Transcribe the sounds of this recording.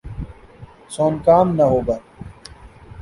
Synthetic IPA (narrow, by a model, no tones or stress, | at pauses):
soːnkaːmnɐɦoːɡa